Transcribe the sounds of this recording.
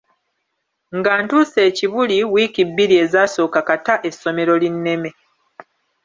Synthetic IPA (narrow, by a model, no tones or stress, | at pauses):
ŋɡaːntuːse̞ːciβuliwiːkibːiɾie̞ːzaːso̞ːkakataʔe̞sːo̞me̞ɾo̞linːe̞me̞